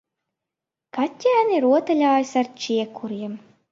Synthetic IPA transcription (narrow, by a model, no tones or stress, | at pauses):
kat̪ʲːæːniɾuɔt̪alʲaːjsart͡ʃiɛkʰːuɾiɛm